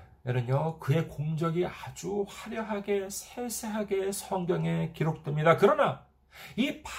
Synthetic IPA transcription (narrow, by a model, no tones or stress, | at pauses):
eɾʌɲokɯe̞koŋd͡ʑʌɡiad͡ʑuɸaɾjʌɦaɡe̞sʰesʰeɦaɡe̞sʰʌŋɡjʌŋe̞kiɾok̚t͈we̞mɲidakɯɾʌna | ip